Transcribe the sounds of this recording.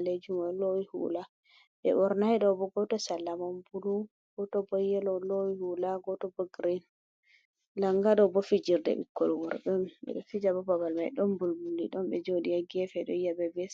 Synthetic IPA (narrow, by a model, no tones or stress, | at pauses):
led͡ʒumalowihṵla | ɓɛ̰ʔɔɾnaɛɗɔbɔɡɔtɔsalːamɔmbulu | ɡ̥ɔtɔbɔjɛlɔlowihulaɡɔtɔbɔɡɾin | laŋɡaɗɔbɔfid͡ʒiɾdɛ̰bḭkːɔlwɔɾɗɔnɓɛ̰ɗɔfid͡ʒabɔbabalma̰jɗɔmbulbulːiɗɔnɓɛd͡ʒodijaɡɛfɛɗɔijabɛbɛs